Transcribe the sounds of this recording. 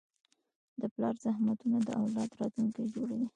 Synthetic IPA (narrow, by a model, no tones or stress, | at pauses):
d̪əplɑɾzahmat̪unad̪əʔawlɑd̪ɾɑt̪luŋkajd͡ʒoɽawi